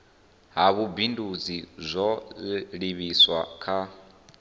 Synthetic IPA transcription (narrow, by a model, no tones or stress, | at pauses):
ɦaβubindud͡zizʷɔɺiβiswa̰kʰa